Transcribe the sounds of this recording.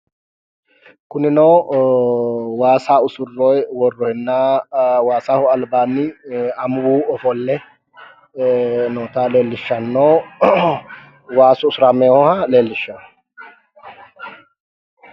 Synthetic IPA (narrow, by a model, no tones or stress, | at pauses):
kʊnɪnoː | waːsaːʊsʊrːoːjwɔrːɔhɛnːaːwaːsaːhʊɐlbaːnːiɐmʊuːɔfɔlːɛ | noːt̪aːle̞ːlːɪʃːɐnːoː | waːsʊʊsʊɾameːhɔhale̞ːlːɪʃːɐn